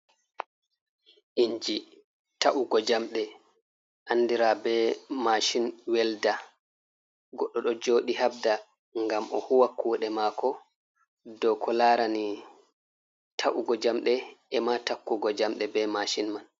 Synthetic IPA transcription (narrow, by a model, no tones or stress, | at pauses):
ʔiɲd͡ʒi | taʔuɡɔd͡ʒamɗɛ | ʔanːdiɾabɛmaʃinwɛlda | ɡɔɗːɔɗɔd͡ʒoːɗihabda | ŋɡamʔɔ̰huwakːuːɗɛmakɔ | dɔkʰɔlaɾani | tʰaʔuɡɔd͡ʒamɗɛɛmatakːuɡɔd͡ʒamɗɛbɛmaʃinman